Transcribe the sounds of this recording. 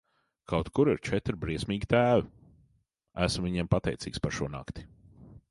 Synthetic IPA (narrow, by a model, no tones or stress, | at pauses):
kʰawt̪kuɾiɾt͡ʃɛt̪ɾbɾiɛsmiːɡʲit̪æːvi | æ̰smviɲɛmpat̪ɛ̰jt̪siːkspaɾʃuɔna̰kt̪i̥